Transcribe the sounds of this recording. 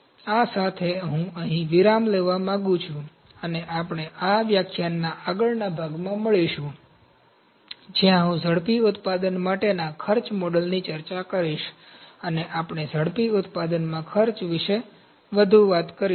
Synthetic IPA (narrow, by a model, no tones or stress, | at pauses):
asat̪ʰeɦũəɦĩʋiɾamleʋamãɡũt͡ʃʰũ | əneʔapɳ̃eʔaʋjakʰjanːaʔaɡəɭnabʱaɡmãməɭiʃũ | d͡ʒjãɦũzʱəɽpiʊt̪pad̪ənmaʈenakʰəɾt͡ʃmɔɖəlnit͡ʃəɾt͡ʃakəɾiʃəneʔapɳ̃ezʱəɽpiʊt̪pad̪ənmãkʰəɾt͡ʃʋɪʃe | ʋəd̪ʱuʋat̪kəɾi